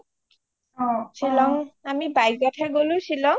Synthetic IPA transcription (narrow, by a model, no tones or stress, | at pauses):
ɦɔ̃t͡ʃʰilɔmamibajɡɔʈʰaɡoluʃʰilɔm